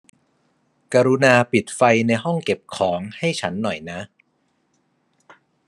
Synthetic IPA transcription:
kaː˧ɾu˦˥naː˧pi˨˩t̪̚fa˧jna˧jɦɔ˥˩ŋke˨˩p̚kʰɔː˩˦ŋha˥˩jt͡ɕʰa˦˥nːɔ˨˩jna˦˥ʔ

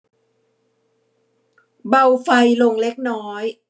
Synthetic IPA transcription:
ba˧wfa˧jlo˧ŋle˦˥k̚nɔː˦˥j

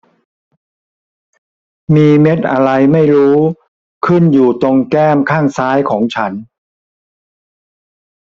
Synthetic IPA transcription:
miː˧me˦˥t̪̚ʔa˧ɾa˧jma˥˩jɾuː˦˥ | kʰɯ˥˩njuː˨˩t̪o˧ŋkɛː˥˩mkʰaː˥˩ŋsaː˦˥jkʰɔː˩˦ŋt͡ɕʰa˦˥n

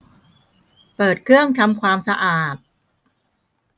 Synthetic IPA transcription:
pɤː˨˩t̪̚kʰɾɯ˥˩əŋt̪ʰa˧mkʰwaː˧msa˧ʔaː˨˩t̪̚

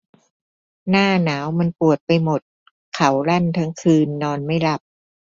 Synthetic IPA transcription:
naː˥˩naː˩˦wma˧npu˨˩ət̪̚pa˧jmo˨˩t̪̚ | kʰa˩˦wla˥˩nt̪ʰa˦˥ŋkʰɯː˧nːɔː˧nma˥˩jla˦˥˩p̚

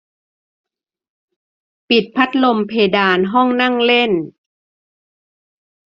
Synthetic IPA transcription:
pi˨˩t̪̚pʰa˦˥t̪̚lo˧mpʰeː˧daː˧nɦɔ˥˩ŋna˥˩ŋle˥˩n

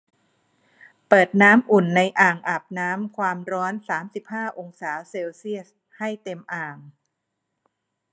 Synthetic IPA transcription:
pɤː˨˩t̪̚naː˦˥mʔu˨˩nːa˧jʔaː˨˩ŋʔa˨˩p̚naː˦˥mkʰwaː˧mɾɔː˦˥nsaː˩˦msi˨˩p̚haː˥˩ʔo˧ŋsaː˩˦wseː˧wsi˥˩əs | ha˥˩jt̪e˧mʔaː˨˩ŋ

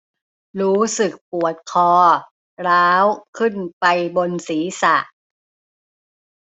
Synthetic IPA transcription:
ɾuː˦˥sɯ˨˩k̚pu˨˩ət̪̚kʰɔː˧ | ɾaː˦˥wkʰɯ˥˩npa˧jbo˧nsiː˩˦sa̰˨˩ʔ

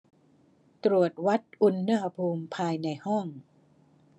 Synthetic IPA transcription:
t̪ɾu˨˩ət̪̚wa˦˥t̪̚ʔu˧nːɯ˥˩ha˧pʰuː˧mpʰaː˧jna˧jhɔ˥˩ŋ

